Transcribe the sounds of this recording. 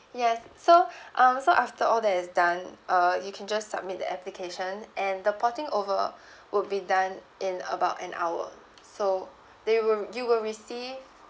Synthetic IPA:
jɛsːoʔʌ̃msoʔaftəʔɔldɛt̚ɛsdãnʔʌjukʰɛ̃nd͡ʒassa̰b̚mit̚də̰ʔɛplikʰeʃə̃nʔɛ̃ndəpʰɔtɪ̃ŋʔovə̰ | wʔʊd̚bidãn | ʔɪ̃nə̰baʊtɛ̰̃na̰wə̰ | so | dewjuwɪlɹisiv

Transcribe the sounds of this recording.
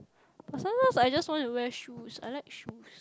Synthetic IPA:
pəsə̃nəsajd͡ʒastwɔ̃ntuwɛʃusa̰ɪlaɪkʃus

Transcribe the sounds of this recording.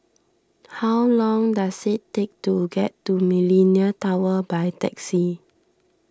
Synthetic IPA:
hawlɔ̃ŋdasitːek̚tuɡɛtːumiliniətawəbajtɛ̰ksi

